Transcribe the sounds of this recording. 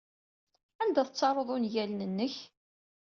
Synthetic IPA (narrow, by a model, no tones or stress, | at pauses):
ænd̪æθət͡sːɑɾˤoðˤʊnʝælnənːəç